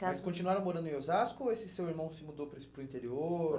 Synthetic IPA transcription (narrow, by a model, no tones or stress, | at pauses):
kaskõt͡ʃinuaɾɐ̃w̃moɾɐ̃d̪ʊẽozaskʊesɪsewiɾmɐ̃w̃sɪmud̪opɾɪspɾʊĩnt̪eɾio